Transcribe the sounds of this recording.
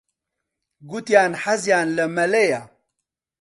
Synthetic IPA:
ɡut̪jaːnħɐzjaːnlɐmɐleja

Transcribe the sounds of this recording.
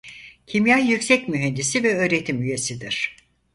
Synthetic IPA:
cʰimjajːycsɛcmyɦɛnd̪isivɛø̞ːɾe̞t̪ʰimyje̞sid̪iɾ̥

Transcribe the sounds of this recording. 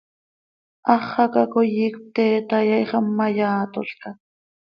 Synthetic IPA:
ʔɑχːɑkakojiːkp̚t̪eːt̪ajɑjχɑmːajaːt̪oɬka

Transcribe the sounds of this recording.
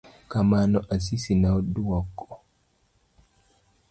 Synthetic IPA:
kamanɔʔas̬isinawduwakːɔ

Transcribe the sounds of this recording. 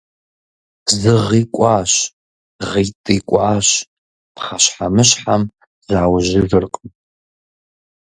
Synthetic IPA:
zɨʁiːkʷʼɑːɕ | ʁiːtʼiːkʷʼɑːɕ | pχaʃħamɨɕħam | z̥aːwʒɪvɨrqʼn

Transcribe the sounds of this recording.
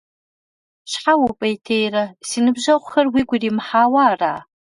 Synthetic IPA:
ɕħawupʼejtʰejrɐsiːnɨbʑɐʁʷʊxɐrwiːɡʷʊriːmħaːwaːra̰ː

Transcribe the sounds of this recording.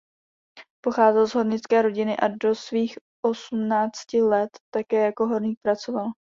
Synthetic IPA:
po̞xaːzɛlzɦo̞ɾɲɪt͡skɛːɾo̞ɟɪnɪʔado̞sviːx | ʔo̞sumnaːt͡scɪlɛt̪ːakɛːjako̞ɦo̞ɾniːk̚pɾat͡so̞val

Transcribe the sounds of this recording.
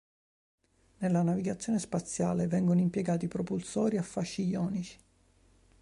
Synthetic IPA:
nelːanaviɡat̪sːjoːnespat̪sːja̰ːlevɛŋɡonoimpjeɡaːt̪ipɾopulsɔːɾiafːaʃːijɔːnit͡ʃi̥

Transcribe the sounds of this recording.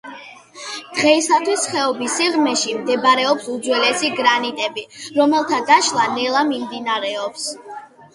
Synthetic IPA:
d̪̥ʁɛisat̪ʰwisχɛɔbisiʁmɛʃimd̪ɛbɾɛɔpsud̪zwɛlɛsiɡɾanit̪ʼɛbiɾɔmɛlˠt̪ʰad̪aʃlˠanɛlˠamimd̪inaɾɛɔps

